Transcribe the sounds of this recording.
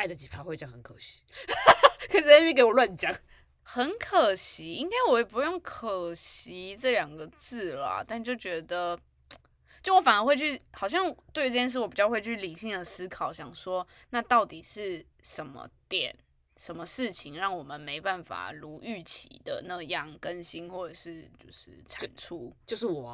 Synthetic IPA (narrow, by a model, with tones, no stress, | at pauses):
a˥˩ɪdə˨˩t͡ɕi˨˩pʰa˥xwe˥˧ɪt͡ɕɑ˥ŋxə˧˦nkʰɤ˨˩ɕi̥˨˦ | kʰə˨˦ʂ̩˥˩˥ke˧˥wɔ˨lwa˥˧nt͡ɕjɑ˥˦ŋ | xə˧˦nkʰə˨˩ɕi˨˦i˦˥ŋka˥ɪwɔ˧˦jɛ˨˩pu˧˥jo˥˩ŋkʰə˨˩ɕi˧˥ʈ͡ʂɤ˥˩ljɑ˨˩ŋɡə˨t͡sɹ̩˥˩lɐ̰˩t̪a˥˧nt͡ɕjo˥˩ʊt͡ɕɥɛ˧˥d̪ə˧ | t͡ɕjo˥˩wɔ˧˦fa˨˩nə˧˥xwe˥˧ɪt͡ɕʰy˥˩xɑ˨˩ʊɕ̬jɑ˥˧ŋt̪we˥˩ɪy˧˥ʈ͡ʂə˥˩jɛ˥ʂ̬̩˥˩wɔ˦˩pi˨˩t͡ɕjɑ˥˧xwe˥˧ɪt͡ɕʰy˥˩li˨˩ɕi˥˩ŋd̪ə˩sɹ̩˥kʰɑ˨˩˦ʊɕjɑ˨˩ŋʂwɔ˥ | na˥˧t̪ɑ˥˩ʊt̪i˨˩ʂɻ̩˥˩ | ʂə˧˦nmə̰˧t̪jɛ̰˨˩˦n | ʂə˧˦nmə˧ʂɻ̩˥˩t͡ɕʰi˨˩ŋɻɑ˥˩ŋwɔ˨˩mə˨nme˧˥ɪpa˥˩nfa̰˨˩lu˧˥ʔy˥˩t͡ɕʰḭ˨˦d̪ə̰˨˦na˥˩ɡjɑ˥˩ŋkə˦nɕi˥nxwɔ˥˩ʈ͡ʂə˨˩ʂɻ̩˥˧t͡ɕjo˥˧ʊʂɻ̩̰˥˩ʈ͡ʂʰa˨˩nʈ͡ʂʰu˥˩t͡ɕjo˥˧ʂ̩˥˩wɔ˨˩˦